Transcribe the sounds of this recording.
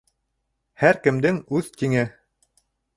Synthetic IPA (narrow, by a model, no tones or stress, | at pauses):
hæɾkɘ̆md̪ɘŋʉðt̪iŋɘ